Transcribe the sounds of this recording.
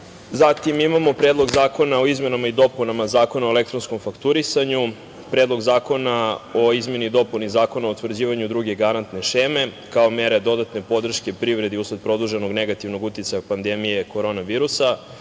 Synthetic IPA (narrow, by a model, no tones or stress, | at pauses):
zat̪imimamo̞pɾeːd̪lˠo̞ɡzaːko̞nao̞izme̞namaid̪o̞punamazaːko̞naoele̞k̚t̪ɾo̞nsko̞mfakt̪uɾisaɲu | pɾeːd̪lˠo̞ɡzaːko̞nao̞izme̞nid̪o̞punizaːko̞naout̪vr̩d͡ʑiːʋaɲud̪ɾuɡe̞ɡaɾant̪ne̞ʃeːme̞ | kao̞me̞ɾe̞d̪o̞d̪at̪ne̞po̞d̪r̩ʃkʲepɾiʋɾe̞d̪iusod̪̚pɾo̞d̪uʒe̞no̞ɡne̞ɡat̪iʋno̞ɡut̪it̪sajapand̪emije̞ko̞ɾo̞naʋiːɾusa